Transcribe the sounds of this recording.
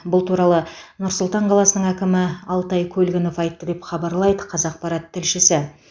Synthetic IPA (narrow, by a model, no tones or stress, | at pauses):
bʊlˠt̪uɾɑlˠənʊɾsʊlˠt̪ɑɴqʰɑlˠɑsənəɴækʲɪmɪɑlˠt̪ɑjkʲʰɵlɡʲɪno̞fɑjt̪ːəd̪e̞pχɑbɑɾlˠɑjd̪əqʰɑzɑq̚pɑɾɑt̪ʰːɪlʃɪsɪ